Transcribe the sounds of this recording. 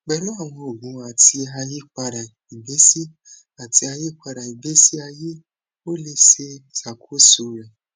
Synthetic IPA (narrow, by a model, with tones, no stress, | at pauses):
ɡ͡bɛ˧lũ˦a˦˨w̃ɔ̃˧o˨ɡũ˨˧˦a˨ti˧a˧ji˦k͡pa˧ɾa˨ | i˨be˨˦si˦ | a˨tʰi˧˦a˧ji˦k͡pa˧ɾa˨i˨be˨˦si˦a˧je˦ | o˦le˧se˧sa˨kʰo˦su˨˧˦ɾɛ˨